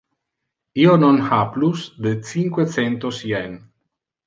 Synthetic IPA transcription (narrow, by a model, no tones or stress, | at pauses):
iononhaplusd̪et͡siŋkwet͡sent̪osien